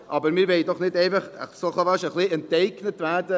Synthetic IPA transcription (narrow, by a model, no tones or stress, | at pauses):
ʔɑːbəɾmɪɾveɪdɔχnɪteɪfəχəsɔχəvaʃəχlɪənteɪknətvɛdə